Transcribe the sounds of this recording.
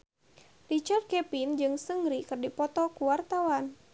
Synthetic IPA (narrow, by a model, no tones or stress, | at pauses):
rit͡ʃard̪̚kɛpind͡ʒɨŋsəŋɡɾikɨrdipɔt̪ɔkuwart̪awan